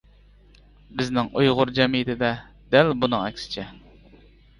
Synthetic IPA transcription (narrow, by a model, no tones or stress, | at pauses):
bɪznɪŋujʁʊɾd͡ʒɛmijɪt̪ʰɪd̪ɛ | d̪ælbunɨŋɛkʲsɪ̥t͡ʃʰɛ